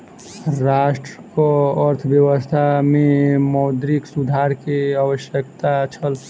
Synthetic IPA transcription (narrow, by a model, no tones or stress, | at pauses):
ɾaʃʈɾəkoəɾt̪ʰbjəʋəst̪ʰamẽmɔʊd̪ɾiksud̪ʱaɾkeəwəʃjəkt̪at͡ʃʰəl